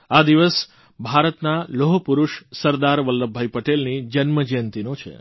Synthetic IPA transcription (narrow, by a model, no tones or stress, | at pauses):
ad̪iʋəs | bʱaɾət̪naloɦopuɾuʃsəɾd̪aɾʋəlːəbʱːajpəʈelnid͡ʒənməd͡ʒəjənt̪inot͡ʃʰḛ